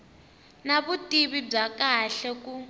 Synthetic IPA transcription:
naβutʼiβib͡ʐakaɬɛku

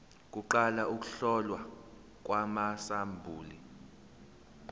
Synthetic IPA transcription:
k̬ʼuǃalaʔuk̬ʼuɬɔlwa | k̬ʼwamasambʱuːli

